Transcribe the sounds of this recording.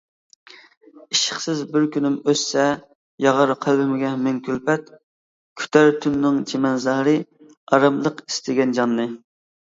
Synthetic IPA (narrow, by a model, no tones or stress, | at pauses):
iʃə̥χsɪzbɪɾkʲynymøsːɛ | jɑʁɑɾqʰælbɪmɪɡʲɛmɛŋkʲʰylpɛt̪ | kʲʰy̥t̪ʰɛɾt̪ʰynːɨŋt͡ʃʰemɛnzɑhɾɨ | ɑɾɑmlˠəqi̥st̪ʰɪɡʲɛnd͡ʒɑnːɨ